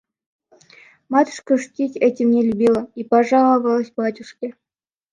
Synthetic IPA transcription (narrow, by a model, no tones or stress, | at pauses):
mɑt̪ʲu̥ʂkə̆ʂtʲitʲetʲemnʲelʲubʲilˠə̆ipɑʐɑlˠə̆vɑlˠə̆sʲbɑtʲuʂkʲe